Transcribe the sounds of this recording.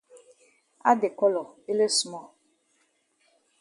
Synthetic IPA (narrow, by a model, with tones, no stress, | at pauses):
a̰˦de˨kɔ˦lɔ˨e˦le˦su˨mɔ˦˨